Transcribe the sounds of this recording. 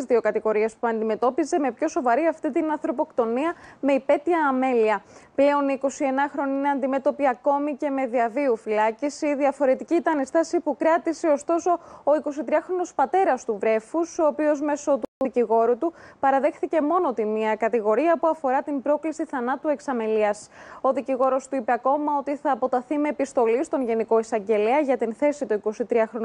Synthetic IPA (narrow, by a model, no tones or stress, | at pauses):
zðio̞kɐt̪iɣo̞ɾie̞spuɐnd̪ime̞t̪o̞pize̞me̞pço̞so̞vɐɾiɐft̪it̪inɐnθɾo̞po̞kt̪o̞niɐme̞ipe̞t̪iɐːme̞liɐple̞o̞niːko̞sie̞nɐxɾo̞niineɐnd̪ime̞t̪o̞piɐko̞mice̞me̞ðiɐviufilɐcisiðiɐfo̞ɾe̞t̪icit̪ɐnest̪ɐsipukɾɐt̪iseo̞st̪o̞so̞oiko̞sit̪ɾiɐxɾo̞no̞spɐt̪e̞ɾɐst̪uvɾe̞fuso̞ːpio̞zme̞so̞uciɣo̞ɾut̪upɐɾɐðe̞xθice̞mo̞not̪imiɐkɐt̪iɣo̞ɾiɐpuɐfo̞ɾɐt̪imbɾo̞klisiθɐnɐt̪ue̞ksɐmeliɐso̞ðiciɣo̞ɾo̞st̪uipeɐko̞mɐo̞t̪iθɐːpo̞t̪ɐθimeːpist̪o̞list̪o̞nʝe̞niko̞isɐɲɟe̞leɐʝɐt̪inθe̞sit̪uiko̞sit̪ɾiɐxɾo̞n